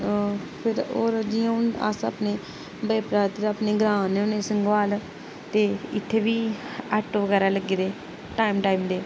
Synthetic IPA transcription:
pʰɪɾoːɾd͡ʒiːãːʊna̰sa̰pneː | bəːpɾaːt̪ɪɾapneːɡɾãːneʊneːsəŋɡʋaːl | t̪eːɪt̪ʰːeːʋiːəʈʋəɡɛːɾaːləɡeːd̪eː | ʈaːimʈaːiːmd̪eː

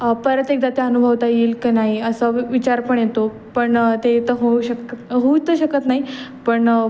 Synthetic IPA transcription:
pəɾət̪ek̚d̪at̪eənubʱəʋt̪aiːlkanaɦiəsəʋit͡ɕaɾpəɳjet̪o | pəɳt̪et̪əɦoɕəkɦout̪əɕəkət̪naɦipəɳ

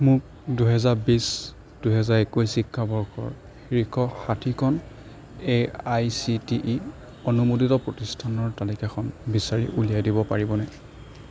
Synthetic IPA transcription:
mʊk̚ | duɦɛzaɹbis | d̥uɦɛzaɹekujsikʰːabɔɹkʰɔ̰ɹ | xiɹikʰɔxatʰikʰɔn | eajsitiʔi | onumut̬itɔpɹɔtistʰanɔɹtalikakʰɔnbisaɹiʔulijajdibɔpaɹibɔnɛ

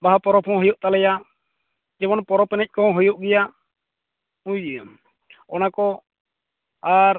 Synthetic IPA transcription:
baɦapɔɾɔpʰɔ̃ɦɔjɔʔt̪alɛja | d͡ʒɛbɔnpɔɾɔpɛnɛc̚ˀkɔɔ̃ɦɔjɔʔɡɛja | ũjd͡ʒiam | ɔnakɔ | aɾ

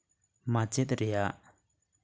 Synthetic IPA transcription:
mat͡ɕet̪aɹeʔaʔ

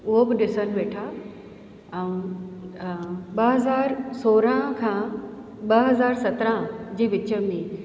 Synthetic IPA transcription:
ʊɦobɪɗɪsənɪ̆ʋeːʈʰa | ũ | ɓɐɦɐzaːɾsoːɾãkʰãː | ɓɐɦɐzaːɾsɐt̪ɾãd͡ʑeːʋɪt͡ɕə̆mẽ

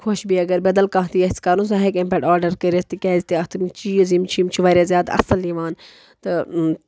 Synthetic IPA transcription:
kʰoʃbiɐɡɐɾbɐd̪ɐlkãːɦt̪ijɐt͡skaːɾũs̬aɦekẽmpeʈaːɾɖɐɾkɐɾest̪ikʲɛːzit̪iɐt̪ʰmt͡ʃiːjuzimt͡ʃʰimt͡ʃʰiʋaːɾʲjaːzʲjaːd̪ɐ̰sɐliʋaːn | t̪ɨ

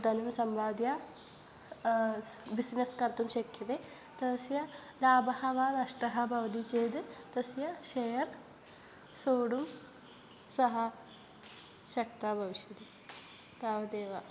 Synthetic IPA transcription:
d̪ɐnumsɐmbaːd̪ja | bisneskɐnt̪umʃɐkʰːjɐt̪e | t̪ɐsjɐ | laːbɐhɐʋaːnɐʂʈɐɦɐbʱɐʋɐd̪it͡ʃeːd̪ɨt̪ɐsjɐʃejɐɾ | soːɽum | sɐɦɐ | ʃɐk̚t̪abʱɐʋiʃjɐt̪i | t̪aːʋɐd̪eːʋɐ

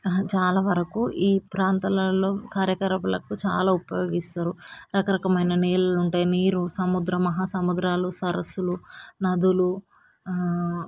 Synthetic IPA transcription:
t͡ʃaːlaːʋɐɾɐkuʔiːpɾaːnt̪ɐlɐlːo̞ːkaːɾjɐkɐɾɐpɐlɐ̰kut͡ʃa̰ːlaːupɐjo̞ːɡist̪aːɾuɾɐkɐɾɐkɐmɐjnɐneːluluɳʈaːjiniːɾusɐmud̪ɾɐmɐɦaːsɐmud̪ɾaːlusɐɾɐsːulunɐd̪ulu

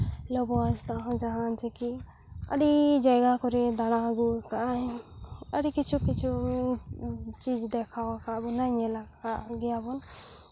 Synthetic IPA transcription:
lɔbɔast̪aɦɔ̃d͡ʒaɦant͡ʃiki | ə̰ɾid͡ʒajɡakɔɾed̪aɽ̃aɡukajəɾikit͡ʃʰukit͡ʃʰu | t͡ʃid͡ʒd̪ɛkʰawakabɔnajnɛla | aɡiabɔn

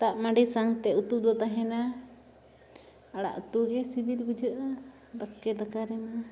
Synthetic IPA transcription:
t̪aʔmaɖisaŋt̪ɛut̪ud̪ɔt̪aɦɛna | aɽa̰ʔut̪uɡɛsibilbud͡ʒʱəʔa | bəskɛd̪akaɾɛma

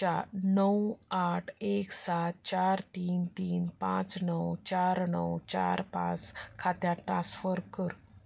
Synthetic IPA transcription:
anəwaʈʰeksat̪̚t͡ɕaɾt̪iːnt̪iːnpã̰t͡snəwt͡ɕaɾnə̰wt͡ɕa̰ɾpã̰t͡skʰat̪jãʈɾãsfəɾkəɾ

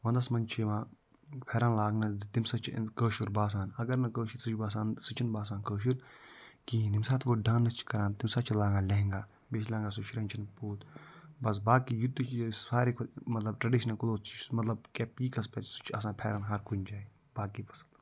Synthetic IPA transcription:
ʋɐ̃nd̪ɐsmɐnt͡ʃʰiʋãː | pʰeːɾaːnlaːɡnɐt̪imsɐt͡ʃʰkəːʃuɾbaːs̬ãːnɐɡɐɾnɐkəːʃuɾsut͡ʃʰbaːs̬ãːnsɨt͡ʃʰinbaːs̬aːnkəːʃ̬uɾkĩnimsaːt̪ʰʋoɖãːnːɐt͡ʃʰkɐɾãːnt̪imsaːt͡ʃʰilaːɡaːlɐɦŋɡaː | beʃlʲãːŋɡaːs̬uʃʰɾɐːnʲt͡ʃʰinpuːt̪bɐs̬baːkiːjut̪ːit͡ʃsfaːɾik̪ʰmɐt̪lɐb̚ʈɾɐɖiːʃ̬ɐnɐkud̪oːst͡ʃmɐt̪lɐb̚keːpiːkɐspɛsu̥t͡ʃʰɐsãːpʰeːɾɐnɦɐɾkund͡ʒaːi | baːkiːfʰɐ̥sl

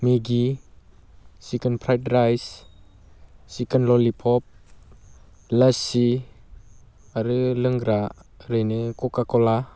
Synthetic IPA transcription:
meɡi | sikənpʰɾajtɾajs | sikənlɔlipʰɔp̚ | lasi | aɾɯlɯŋɡɾaʔɾejnekɔkakɔla

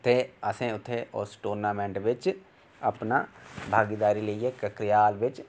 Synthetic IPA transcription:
t̪eːəsẽːʊt̪ʰːeːo̰ːsʈoːɾnaːmɛ̃ːɳʈʋɪt͡ʃ | əpnaːbʱaːɡid̪aːɾiːləiːeːkəkɾɪjaːlʋɪt͡ʃ

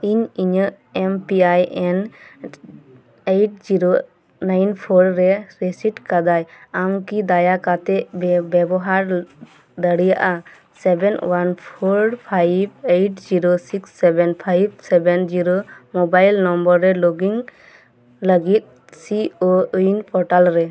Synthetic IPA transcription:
iɲiɲəʔ | ɛmpiajɛn | ejʈ̚d͡ʒiɾo | najnpʰɔɾɾɛɾesiʈkad̪ajamkid̪ajakat̪ɛʔbɛbɔɦaɾ | d̪əɽijaʔa | sɛbɛnwanpʰɔɾpʰajbejʈd͡ʒiɾosiksːɛbɛnpʰajb̚sɛbɛnd͡ʒiɾomɔbajlnɔmbəɾːɛloɡiŋ | ləɡit̪̚ | siounpɔɾʈalɾɛ

